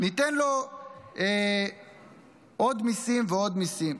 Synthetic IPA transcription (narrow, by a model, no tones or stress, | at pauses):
nit̪enlo | e | od̪misimveod̪misim